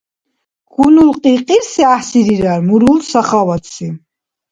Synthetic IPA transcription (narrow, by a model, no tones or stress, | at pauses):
ɡ̥unulqʼiqʼiɾsiaħsiɾiɾaɾmuɾulsaχavat̪ʰi